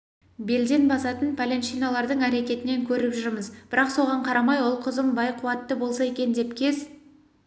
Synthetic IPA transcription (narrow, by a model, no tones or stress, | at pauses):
be̞ld̪e̞nbɑsɑt̪ənpʰalʲenʃijnɑlˠɑɾd̪əɴæɾe̞kʲe̞t̪ɪne̞ŋkʲʰɵɾɪpʒʏɾməzb̥ɪɾɑqso̞ʁɑɴqʰɑɾɑmɑjwʊlˠqʰəzəmbɑjqʰʊwɑt̪ːəbo̞lˠsɑe̞kʲe̞nd̪e̞pkʲʰe̞z